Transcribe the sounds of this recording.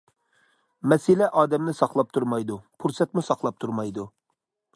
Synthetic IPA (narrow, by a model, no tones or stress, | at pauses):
mɛsɪlɛʔɑːd̪ɛmnɪsɑχlˠɑp̚t̪ʰuɾmɑjd̪upʰuɾsɛt̪̚musɑqlˠɑp̚t̪ʰuɾmɑjd̪u